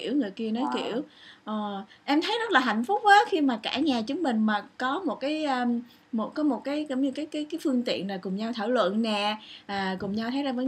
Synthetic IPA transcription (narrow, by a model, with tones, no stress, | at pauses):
i˧˩əwŋɨ˨˩əjki˧ənɔ˨˦jkḭ˧˩˨əwʔɔː˨˩ʔɛ˧mt̪ʰə˨˦jzə˦˥t̚laː˨˩ɦa̰˧˨jŋ̟fʊ˦˥k͡p̚ʔəː˨˦xi˧maː˨˩kaː˧˩ɲaː˨˩t͡ɕɨ˨˦əŋmï˨˩ŋ̟maː˨˩kɔ˨˦mo˨˩t̚kaː˨˦jʔəː˧ | mo˨˩t̚kɔ˨˦mo˨˩t̚kaː˨˦jkɔ˨˦wɲɨ˧kaː˨˦jkaː˨˦jkaː˨˦jfɨ˧əŋt̪ḭ˧˨ənlaː˨˩kʊ˨˩ŋ͡mɲa˧wt̪ʰaː˧˩wlwə̰˧˨nːɛ˨˩ʔaː˨˩kʊ˨˩ŋ͡mɲa˧wt̪ʰə˨˦jzaː˧vəː˨˦